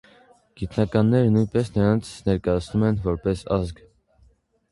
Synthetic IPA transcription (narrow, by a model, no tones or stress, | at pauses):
ɡ̥it̪nɑkɑnːɛɾənujnpɛsnəɾɑnt͡sʰnɛɾkɑjɑt͡sʰnumɛnvɔɾpɛsɑzɡ